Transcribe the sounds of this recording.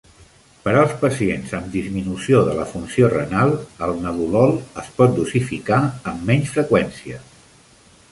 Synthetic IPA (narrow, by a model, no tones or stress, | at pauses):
pəɾalˠspəsienzəmd̪izminusioðələfunsiorənalˠəlˠnəðulɔlˠəspɔt̪̚d̪usifikaəmːɛɲsfɾəkwɛnsiə